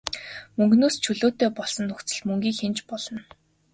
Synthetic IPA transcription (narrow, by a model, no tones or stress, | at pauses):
mɵŋɡnoːst͡ɕʰɵɮoːt̪eːpɔɮsɞ̆nːɵkt͡sə̆ɮmɵŋɡʲiːkxent͡ɕpɔɮɞ̆n